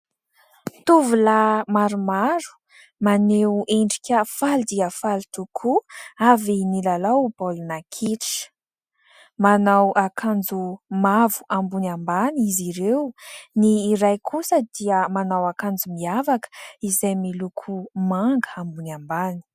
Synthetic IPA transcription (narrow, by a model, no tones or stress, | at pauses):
t̪uvulamaɾumaɾu̥ | manewʔeɳɖ͡ʐikʲəfald̪iəfalit̪ukʰuavinilalaubolunakʰiʈ͡ʂ | manawʔakʰand͡zumavu̥ʔambunambaniziɾewniːɾajkʰusəd̪iəmanawakand͡zumiavakə̥izajmilukʰumaŋɡəambunambani̥